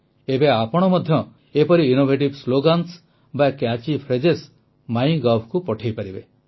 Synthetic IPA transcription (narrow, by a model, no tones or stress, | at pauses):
ebeapɔɽ̃ɔmɔd̪ʱjɔ | epɔɾiːnobʱeʈibsloɡans | bakjat͡ʃipʰɾed͡ʒes | maj̃ɡɔpʰkupɔʈʰijpaɾibe